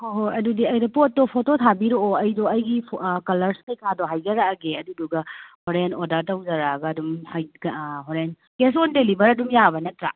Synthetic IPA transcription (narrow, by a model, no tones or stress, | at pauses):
hoɦoɐdudiɐjdɔpot̚ːɔpʰototʰabiɾooɐjdɔɐjɡikɐlɐɾskejkʰadɔɦajɡɐɾaɡeɐduduɡɐhoɾenodɐɾtɐwd͡ʒɐɾaɡɐːdumhajɡɦoɾen | ɡ̥es̬ondelibɐɾɐdumjabɐnɐtɾa